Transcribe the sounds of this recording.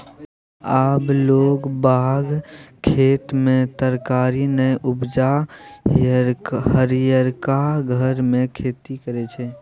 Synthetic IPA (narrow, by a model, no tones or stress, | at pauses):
aːploːɡbaːɡkʰːeːt̪mẽt̪əɾkaːɾinəjʔʊbd͡ʒa | ɦəɾijəɾkaɡʱəɾmẽkʰeːt̪ikəɾet͡ʃʰɛː